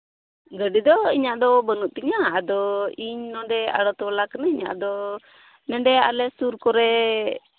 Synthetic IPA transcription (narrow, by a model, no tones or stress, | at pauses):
ɡəɖid̪ɔiɲaʔd̪ɔbənuʔt̪iɲaːd̪ɔiɲnɔɖɛa̰ɽɔt̪ɔwalaknaiɲa̰ʔd̪ɔ | nɛɳɖɛa̰lɛsuɾkɔɾɛ